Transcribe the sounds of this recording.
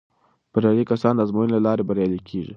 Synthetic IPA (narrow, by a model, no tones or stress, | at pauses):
b̥aɾjɑlikasɑnd̪əazmojənlalɑɾebaɾjɑlikʰeʒi